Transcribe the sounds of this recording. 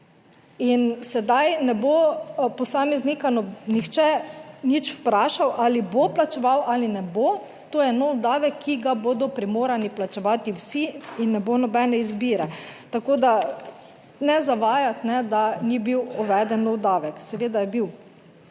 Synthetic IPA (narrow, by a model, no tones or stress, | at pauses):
insɛd̪ajnɛbopɔsaːmɛznikanɔnixt͡ʃɛnit͡ʃwpɾaːʃawʔaːliboplat͡ʃɛʋawʔalinɛbo | t̪oːjɛnɔwd̪aːʋɛkʰːiɡaboːd̪ɔpɾimoːɾaniplat͡ʃɛʋaːt̪iwsiinːɛbonɔbɛːnɛizbiːɾɛt̪akoːd̪a | nɛzaʋaːjat̪nɛd̪anibiwɔʋɛd̪ɛnːɔwd̪aːʋɛksɛʋeːd̪ajɛbiw